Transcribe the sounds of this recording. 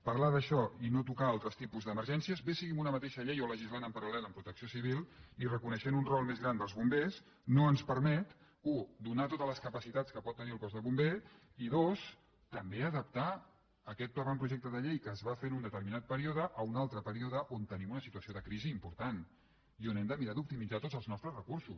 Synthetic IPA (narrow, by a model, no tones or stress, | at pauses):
pɐɾlaðəʃɔinot̪ukaalˠt̪ɾəst̪ipuzðəməɾʒɛnsiəzbesiɣimunəmət̪eʃəʎejoləʒizlanəmpəɾulɛləmpɾut̪əksiosiβ̞ilˠirəkunəʃenunrɔlˠmezɣɾand̪əlˠzβumbes | noənspəɾmɛt̪ | ud̪unat̪ot̪ələskəpəsit̪att͡skəpɔt̪ːəniəlˠkɔzðəβumbe | iðos | t̪əmbeəðəp̚t̪a | əkɛt̪̚pləβampɾuʒɛk̚t̪əðəʎejkəːzβafenund̪ət̪əɾminat̪̚pəɾioðəʔəunalˠt̪ɾəpəɾioðəʔont̪ənimunəsit̪uəsioðəkɾiziːmpuɾt̪an | ionɛmd̪əmiɾad̪up̚t̪imid͡zat̪od͡zzəlˠznɔst̪ɾəsrəkuɾsus